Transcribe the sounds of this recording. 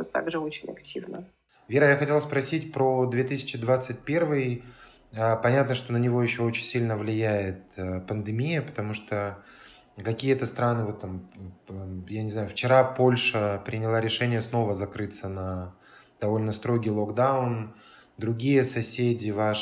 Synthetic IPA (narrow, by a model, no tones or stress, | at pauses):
ot̪ːa̰ɡʐɨot͡ɕɪnʲɐktʲivnə | vʲeɾəjaxɐtʲelˠspɾɐsʲitʲpɾod̪vʲet̪ɨsʲɪ̥t͡ɕɪd̪vat̪sɨt̚ʲpʲervɨj | əpɐnʲat̪nəʂt̪o̞nənʲɪvo̞jɪɕːo̞ot͡ɕɪnʲsʲilʲnəvlʲɪjæjɪt̪̚əpənd̪ɨmʲijəpə̥t̪ɐmuʂt̪o | kɐkʲijət̪əst̪ɾanɨvo̞t̪ːam | janʲɪznajʊft͡ɕɪɾapo̞lʲʂəpɾʲɪnʲɪlˠaɾʲɪʂɛnʲɪjəsno̞vəzɐkɾɨt̪sənə | d̪̥ɐvo̞lʲnəst̪ɾo̞ɡʲijlˠoɡd̪aʊn | d̪ɾʊɡʲijəsɐsʲedʲɪva